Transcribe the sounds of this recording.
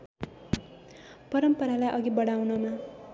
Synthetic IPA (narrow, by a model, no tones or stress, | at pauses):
pʌɾʌmpʌɾalajʔʌɡibʌɽawnʌma